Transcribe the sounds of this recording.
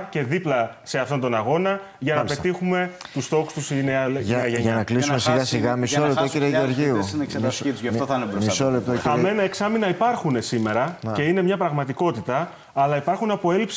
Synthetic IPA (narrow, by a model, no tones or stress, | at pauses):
ce̞ðiplɐ | se̞ɐft̪o̞nt̪o̞nɐɣo̞nɐ | ʝɐnɐpe̞t̪ixume̞t̪ust̪o̞kust̪usineɐɐeʝɐnɐklisumesiɣɐsiɣɐmisollept̪ociɾeʝioɾʝiu | nɾmisolep̚t̪oɐme̞nɐeksɐminɐipɐɾxune̞sime̞ɾɐce̞ine̞mɲɐpɾɐɣmɐt̪iko̞t̪it̪ɐː | lɐipɐɾxunɐpo̞e̞lips